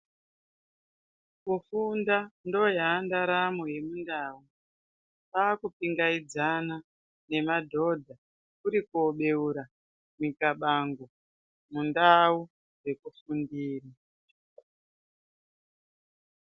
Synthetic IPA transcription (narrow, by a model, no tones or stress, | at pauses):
kufundando̞jaːndaɾamoje̞mundaːu | pakupiŋɡaid͡zana | ne̞madʱo̞dʱa | kuɾikuoɓe̞uɾa | mikaɓaŋɡo | mundau | we̞kufundiːra